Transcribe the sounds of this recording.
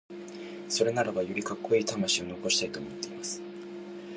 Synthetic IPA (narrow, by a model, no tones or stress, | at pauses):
so̞ɾe̞naɾabajoɾʲikakːo̞iːt̪amaɕio̞no̞ko̞ɕi̥t̪ait̪o̞ːmo̞t̪ːe̞imasɨ̥